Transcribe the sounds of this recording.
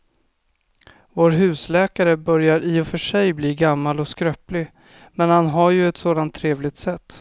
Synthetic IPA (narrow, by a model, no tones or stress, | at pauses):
voːɾɦʉ̟ːslɛːkaɾəbœɾjaɾiːɔfœʂɛjbliːɡamːalɔskɾœplɪ | mɛnhanɦaɾjɵɛt̪soːd̪ant̪ʰːɾeːvlɪɡ̚t̪sɛt̪ː